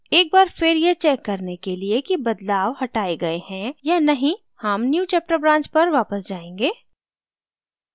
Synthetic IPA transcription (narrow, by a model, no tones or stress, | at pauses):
eːk̚baːɾfɪɾjet͡ʃɛːkːɐɾnekeliekibɐd̪laːʋhɐʈaːeɡɐehɛ̃jaːnɐɦĩ | hɐmnjuːt͡ʃɛːp̚ʈəɾbɾãːɲt͡ʃpɐɾʋaːpəsd͡ʒaːẽːŋɡeː